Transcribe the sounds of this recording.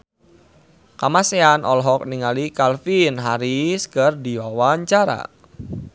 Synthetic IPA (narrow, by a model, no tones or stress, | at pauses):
kamaseanʔɔ̰lɦɔk̚niŋalikalfinɦaɾiskərdiwawaɲt͡ʃaɾa̰